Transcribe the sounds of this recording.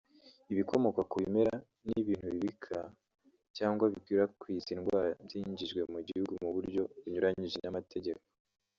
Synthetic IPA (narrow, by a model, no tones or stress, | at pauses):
iβikʰo̞mo̞kakuβime̞ɾa | niβiːn̥huβiβikʰa | caːŋɡwaβikwiːɾakwizinɡwaːɾabjiːɲɟiʒɡwe̞muɟihuɡumuβuɾɟo̞βuɲuɾaɲiʒenamatʰe̞ɟe̞ko